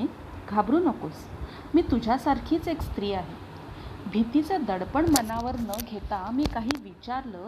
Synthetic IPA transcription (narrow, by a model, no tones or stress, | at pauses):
ɡʱabɾuːnəkos | miːt̪ud͡ʑʱjasaɾkʰiːt͡sekst̪ɾiːaɦe | bʱit̪it͡səd̪əɽpəɳmənaʋəɾnəɡʱet̪amiːkaɦiːʋit͡ɕaɾlə